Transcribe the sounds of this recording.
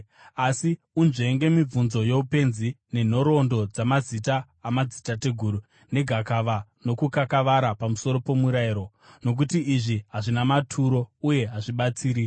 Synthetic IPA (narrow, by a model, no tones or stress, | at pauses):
asi | unʐe̞ŋɡe̞mib͡vunzo̞je̞upe̞nzi | ne̞n̤o̞ɾo̞ndo̞d͡zamazitaː | mazitate̞ɡʱuɾu | ne̞ɡʱakaʋano̞kukakaʋaɾapamuso̞ɾo̞po̞muɾaiɾo̞ | no̞k̬utiːʐiɦaʐinamatʰuɾo̞uje̞ɦaʐiɓat͡siːɾi